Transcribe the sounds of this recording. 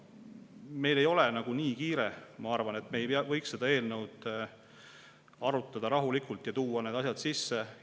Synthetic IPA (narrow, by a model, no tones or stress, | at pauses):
me̞jle̞jo̞lenɑɡ̥uniːkiːɾemɑɑrvɑne̞t̪me̞ːjvɤjksːe̞d̪ɑe̞ːlne̞wd̪̥ | ɑɾut̪ˑːɑd̪̥ɑɾɑɦulikˑult̪jɑt̪uːɑne̞ːd̪ɑsjɑd̪̥sisːe